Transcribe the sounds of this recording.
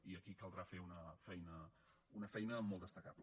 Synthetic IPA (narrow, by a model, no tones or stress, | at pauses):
iəkikəlˠd̪ɾafeunəfɛjnə | unəfɛjnəmɔlˠd̪əst̪əkapl